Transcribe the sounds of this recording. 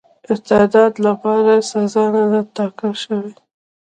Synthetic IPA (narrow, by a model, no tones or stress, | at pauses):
ɪt̪ed̪ɑd̪lapɑɾasazɑnad̪at̪ɑkalʃəwe